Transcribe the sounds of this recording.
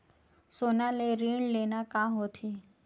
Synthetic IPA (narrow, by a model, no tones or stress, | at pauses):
sonaleɾiɳlenakãɦot̪ʰi